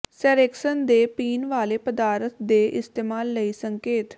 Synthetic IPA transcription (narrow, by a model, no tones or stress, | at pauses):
sɛːɾeːksənd̪eːpiːnʋaːleːpəd̪aːɾət̪̚ʰd̪eːʔɪst̪eːmaːlːəiːsəŋkeːt̪